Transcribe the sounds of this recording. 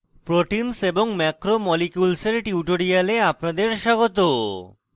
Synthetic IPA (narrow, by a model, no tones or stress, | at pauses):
pɾoʈinseboŋmɛkɾomɔlikjulseɾʈiuʈoɾialeapnad̪eɾʃaɡot̪o